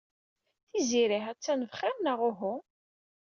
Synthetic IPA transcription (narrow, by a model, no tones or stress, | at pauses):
θiziɾiħæt͡sːænəvχæɾnəʁʊɦʊ